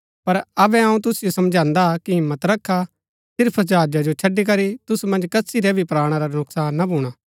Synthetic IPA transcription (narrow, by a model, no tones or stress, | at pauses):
pɐɾɐbɛ̃ɐũt̪ʊsɪjosɐmd͡ʒãːnd̪akiɦɪmːət̪ɾɐkʰːa | sɪɾpʰd͡ʒaːd͡ʒad͡ʒot͡ʃʰɐɖik̬ɐɾit̪ʊsumɐ̃nd͡ʒkɐsiɾɛbʱipɾaːɽ̃aɾanʊksaːnːabʱuːɽ̃aː